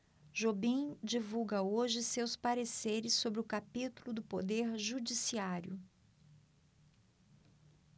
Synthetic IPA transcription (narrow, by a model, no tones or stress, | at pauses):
ʒobĩd͡ʒivuɡɐoʒɪsewspaɾeseɾɪsːobɾɪʊkapit̪ulʊd̪ʊpod̪eɾʒud͡ʒisiaɾjʊ